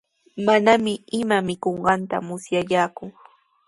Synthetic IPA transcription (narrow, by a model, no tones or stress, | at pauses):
manamɪɪmamɪkoɴɢɑnt̪a̰mʊsjajaːkʊ